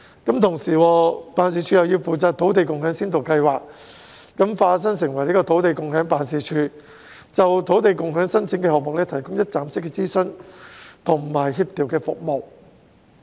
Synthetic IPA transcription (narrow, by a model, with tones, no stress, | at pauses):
kɐ˨˥mt̪ʰʊ˨˩ŋsiː˨˩wɔː˧paː˨˧ns̬iː˨˧t͡ʃʰyː˧jɐ˨˩wjiː˧wfuː˨t͡saː˧t̚t̪ʰo˨˥wt̪e˨jkʊ˨ŋhœː˨˥ŋsiː˥nt̪o˨wkɐ˧jwaː˨k̚ː | ɐ˨˥mfaː˧˥ts̬ɐ˥ŋs̬ɪ˨˩ŋwɐ˨˩jliː˥kɔː˧t̪ʰo˨˥wt̪e˨jkʊ˨ŋɦœː˨˥ŋpaː˨nsiː˨˩t͡ʃʰyː˧ | t͡sɐ˨wt̪ʰo˨˥wt̪̬e˨jkʊ˨ŋhœː˨˥ŋsɐ˥nt͡sʰɪ˧˥ŋkɛː˧hɔː˨k̚mʊ˨k̚lɛː˥t̪ʰɐ˨˩jkʊ˥ŋjɐ˥t̚t͡saː˨˩msɪ˥kːɛː˧t͡siː˥sɵ˥nt̪ʰʊ˨˩ŋ˨maː˨˩jɦyː˧p̚t̪iː˨˩wkɛː˧fʊ̰˨k̚mo˨˩w